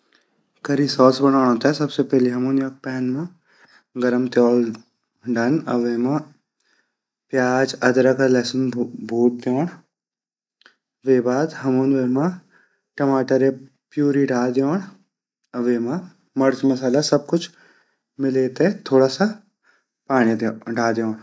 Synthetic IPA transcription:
kɐɾisɔːsbɐnaːnõːt̪aɦɛsɐbsepɛɦleɦɐmuːnjaːk̚pɛːnmã | ɡɐɾəmt̪jɔːl | ɖaːnɐ̰ʋeːmã | pjaːd͡ʒɐd̪ɾakalɛːsənbʱuːt̪̚d̪joːɽ | ʋeːbaːd̪ɦɐmuːnʋeːmã | ʈɐmaːʈəɾe | pjuːɾiɖʱaːd̪joːɽ | ɐʋeːmã | mɐɾd͡ʒmɐsaːlasɐb̚kʊt͡ʃʰ | mɪleːt̪ɛt̪ʰoːɽasa | paːɽ̃id̪ɖʱaːd̪jõːɽ

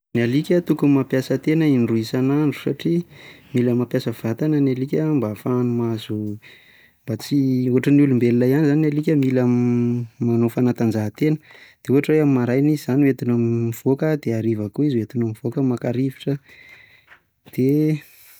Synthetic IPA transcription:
nalikʲət̪ukumapjasət̪enəinruisanaɳɖ͡ʐu̥saʈ͡ʂimiləmapjasəv̥at̪anənalikʲəmbafanumazu | mbat͡siuɦaʈ͡ʂənulumbelilajanizanalikʲəmilammanofanat̪and͡ʒaɦat̪enəd̪̥euɦaʈ͡ʂweamimaɾajnizizaniwet̪inamiv̥okəd̪eaɾivakuizwet̪inamivokəmakaɾiviʈ͡ʂə | d̪̥e

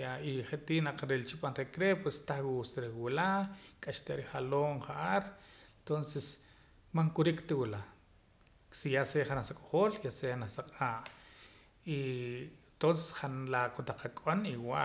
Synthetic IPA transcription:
aiχet̪iːʔnaq͡χɾelt͡ʃiɓanɾekɾepwest̪aχwust̪ɾewilakʼaʃt̪aɾiχaloːɴχaʔaɾent̪onses | maŋkuɾikt̪iwila | sijaseχanasakʼoχoːljaseanasaqʼaːʔ | i | t̪onse̥sχanlakut̪aq͡χakʼoniwa

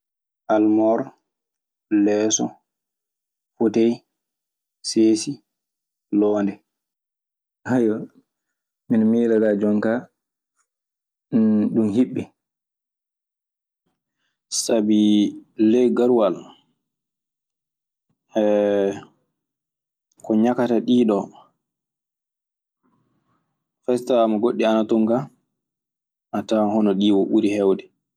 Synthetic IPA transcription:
ʔalmɔɾ | lɛːsɔ̰ | futej | seːsi | lɔːndɛ | hajɔ | minmiːɾaɡad͡ʒɔŋka | ɗumhiɓːɛ | sabiː | ɛjɡaɾuwal | ɛ | kɔɲakataɗiːɗɔ | fɛstamaɡoɗːianatoŋka | ʔatahɔnɔɗiːwoʔuɾihɛwdɛ

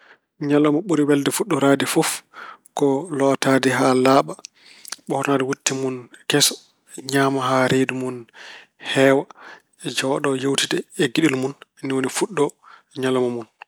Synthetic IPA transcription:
ɲalɔmaɓuɾiwɛldɛfuɗːɔɾadifɔfkɔlɔtadiɦalaːɓa | ɓɔhɾnadɛwutːimunkɛsɔ̥ | ɲaːmaɦaɾedimun | hɛːwa | d͡ʒɔɗɔjowtidɛːɡiɗilmunnːiwonifuɗːɔ | ɲalɔmamun

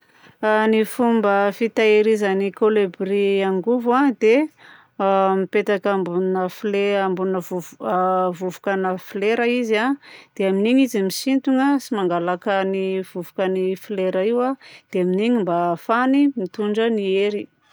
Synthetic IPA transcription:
anifumbəfit̪aeɾizanikolebriaŋɡuvad̪e | mipet̪akambunəfleambunəvu | vuvukanəfileɾaizad̪̥eaminiɲizimisint̪uŋəsimaŋɡalakəniv̥uvukanifleɾaiwad̪̥eaminiɲimbafanimit̪uɳɖ͡ʐənieɾi

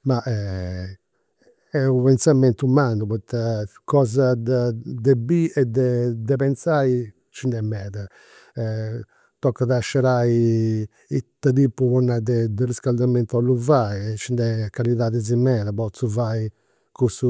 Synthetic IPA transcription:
maʔɛ | ɛuβɛnsamɛnt̪umanduβɔt̪akɔːzadd̪ɛbiɛd̪ɛd̪ɛpɛnt̪sai | t͡ʃind̪ɛmːɛːða | ɛ | t̪ɔkːaðaʃːɛɾai | it̪ːaðiːpːuβɔnːaðɛd̪ɛriskald̪amɛnt̪aluvaiɛt͡ʃːind̪ɛkaliðaːðɛzimɛːðaβɔt̪suvai | kusu

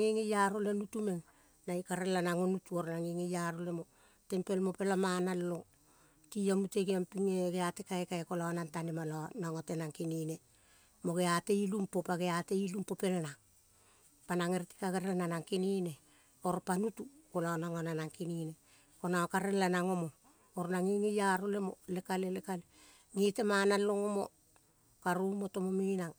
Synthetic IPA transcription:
ŋeŋejaɾolenutume̞ŋ | naikaɾelːanaŋonutuoɾnaŋeŋejaɾolemo̞ | te̞mpe̞lmo̞pe̞lamanalːo̞ | tiamuteɡiampiŋeɡeate̞kaekaekolaonantanemalanaŋote̞naŋkinine̞ | mo̞ɡe̞ate̞ilumpopaɡe̞ate̞ilumpo̞pe̞lanaŋ | panaŋe̞ɾti̥kaɡeɾelananaŋkinine̞ | oɾpanutukolaonaŋananaŋkinine̞ | konaokaɾelːanaŋo̞mo̞ː | ɾnaŋiŋejaɾole̞mo̞̰le̞kalelekale | ŋite̞manalːoŋomo̞̰ | kaɾumo̞tomominaŋ

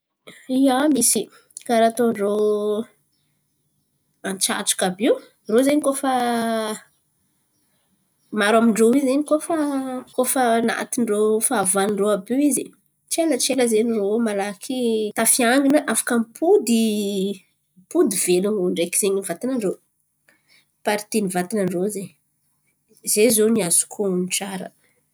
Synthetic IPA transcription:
iamisi | kaɾat̪oɳɖ͡ʐo | ant͡ʃa̰ʈ͡ʂu̥kabew | rozeɲikofa | maɾamiɳɖ͡ʐowizeɲikofakofəna̰t̪inɖ͡ʐofavanɳɖ͡ʐoabeizi | t͡ʃelət͡ʃeləzeniromalakʰit̪afiaŋɡinəʔafḁkəmpʰud̪i | mpud̪ivelunɳɖ͡ʐekiz̥eɲivat̪inəɳɖ͡ʐo | paɾit̪inivat̪inəɳɖ͡ʐozeɲ | zezoniazu̥kʰomiʈ͡ʂaɾə̰

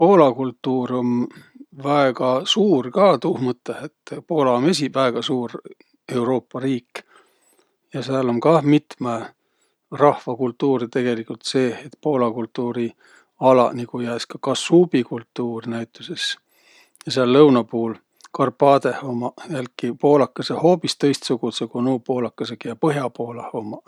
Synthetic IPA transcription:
po̞ːlɑkult̪ˑːuːɾo̞nvæeɡ̥ɑsuːrkɑːt̪uhmɤt̪ˑːehe̞t̪ːpo̞ːlɑmesʲivæeɡ̥ɑsuːr | e̞wɾo̞ːpˑːɑɾiːkːˑ | jɑseɑlo̞nkɑmit̪me | rɑhvɑkult̪ːˑuːɾit̪e̞ɡ̥e̞likult̪se̞ːet̪poːlɑkult̪ːuːɾi | ɑlɑ̰niɡ̥ujæːskɑkɑsub̥ikult̪ːuːrnæjt̪ːˑuse̞s | jɑseɑlːɤwnɑpuːl | kʰɑrpɑːd̪e̞homɑjælkːipo̞ːlɑkːˑɑseho̞ːpist̪ɤ̞jst̪suɡ̥ut̪sekonuːpo̞ːlɑkːˑɑsekjɑpɤɦjɑpo̞ːlɑhomɑ

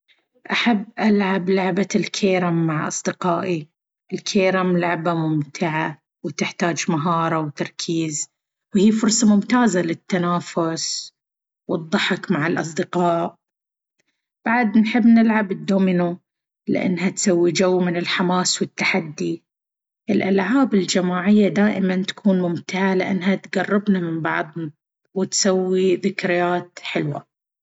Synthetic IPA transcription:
ʔaħabːʔalʕablaʕbalkʰeːɾamːaʕʔɑ̰sˤd̪ɪqɑːʔi | ɪlkʰeːɾamlaʕbamʊmt̪ʰɪʕa | wt̪ɪħt̪aːd͡ʒmaɦɑːɾˤɑwt̪ɑɾˤkʰiːz | whiːfʊɾsˤɑmʊmt̪aːzalɪt̪ːanaːfʊs | wɨd̪ˤːɑħɪkmaʕɪlʔɑs̬ˤd̪ɪqɑːʔ | b̥aʕd̪nħɪbːnɪlʕabɪd̪ːoːmɪnu | lɪ̰ʔa̰nːɦat̪sawːid͡ʒawːmɪnɪlħamaːswɪt̪ːaħad̪ːi | ʔɪlʔalʕaːbɪld͡ʒamaːʕɪjːad̪aːʔɪmant̪ḁkʰuːnmʊmt̪ɪʕalɪʔa̰nːɦat̪ɡarˤːɪbnamɪmbɑ̰ʕðˤ | wɪt̪sawːiðɪkɾɪjaːt̪ħɪlwa̰

